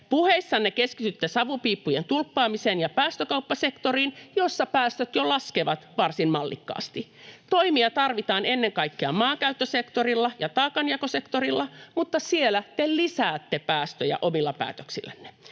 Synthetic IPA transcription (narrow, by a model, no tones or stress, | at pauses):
puheisːɑnːekeskit̪yt̪ːesɑʋupiːpːujent̪ulpːɑːmiseːnjɑpæːst̪økɑupːɑsekt̪oriːnjosːɑpæːst̪øt̪jolɑskeʋɑt̪ʋɑrsinmɑlːḭkːɑ̰ːst̪i | t̪oimiɑt̪ɑrʋit̪ɑːnenːeŋkɑikːeɑmɑːkæyt̪ːøsekt̪orilːɑjɑt̪ɑːkɑnjɑkosekt̪orilːɑmut̪ːɑsielæt̪ellisæːt̪ːepæːst̪øjæ̰ʔomilːɑpæ̰ːt̪øksilːænːe̥